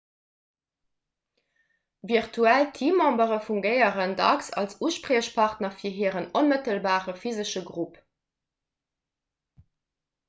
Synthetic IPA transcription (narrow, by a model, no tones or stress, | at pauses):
viʁtʰuæltʰiːmɑmbəʁəfuŋɡəɪəʁəndɑ̰ksɑ̰lsuːʃpʁeːʃpʰɑʁtnɐfiːɐɦiːəʁənonmətəlbaːʁəfizəʃəɡʁup